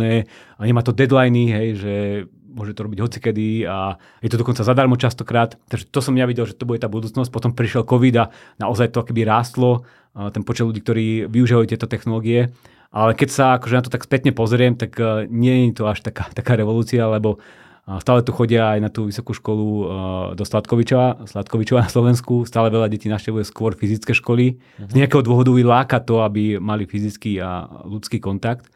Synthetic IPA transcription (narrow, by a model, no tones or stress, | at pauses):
ɛː | ɲɛmaːt̪ɔd̪ɛd̪lajniɦɛjʒɛ | mʊɔʒɛmɛt̪ɔɾɔbiɟɦɔt͡si̥kɛd̪ia | jɛt̪ɔd̪ɔkɔnt͡sazad̪aɾmɔt͡ʃast̪ɔkɾaːt̪t̪ːaɡʒɛt̪ɔsɔmjaʋiɟɛlʒɛt̪ɔbuɟɛt̪aːbud̪uːt͡snɔs̬c̚pɔt̪ɔmpɾiʃjɛlˠkɔʋid̪anaɔzajt̪ɔkɔkɛbiɾaːst̪lɔ | t̪ɛnpɔt͡ʃɛd̪lʎuɟiːkt̪ɔɾiːʋiuʒiʋajut̪jɛt̪ɔt̪ɛxnɔlɔːɡiɛ | ʔalɛkɛcsaakɔʒɛnat̪ɔt̪akspɛt̪ɲɛpɔzɾɪɛmt̪akɲɪɛjɛɲit̪ɔaʃt̪akaːt̪akaːɾɛʋɔluːt͡sialɛbɔ | st̪aːlɛt̪uxɔɟɪaːjnat̪uːʋisɔkuːʃkɔlud̪ɔslat̪kɔʋit͡ʃɔʋaslat̪kɔʋit͡ʃɔʋanaslˠɔʋɛnskust̪aːlɛʋɛʎaɟɛciːnafʃcɛʋujɛskʊɔɾfizit͡skɛːʃkɔli | zɲɛakɛːɦɔd̪ʊɔɦʋɔd̪uilaːkat̪ɔabimalifizit͡skiːa̰lut͡skiːkɔnt̪akt̪